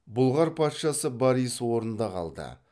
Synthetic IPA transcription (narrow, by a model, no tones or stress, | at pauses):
bʊlˠʁɑɾpʰɑt̪ʃɑsəbɑɾijswoɾənd̪ɑqʰɑ̰lˠd̪ə̰